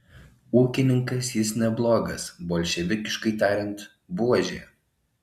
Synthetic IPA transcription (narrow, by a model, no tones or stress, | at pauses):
uːkʲɪnʲɪŋkɐsjɪsnʲɛblˠoːɡɐsboːlʲʃʲɛʋʲɪkʲɪʃkɐɪt̪ɑːɾʲɪnˑt̪ | buːɔʒʲeː